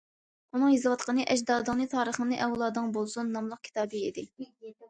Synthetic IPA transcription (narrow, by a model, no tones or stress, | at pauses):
unɨŋjizɨwɑt̪qənɨʔɛd͡ʒd̪ɑːd̪ɨŋnɨt̪ʰɑːɾəχənɨʔɛwlˠɑːd̪ɨŋbolˠsunːɑmlˠəq̚kʲʰi̥t̪ʰɑːbɨid̪ɪ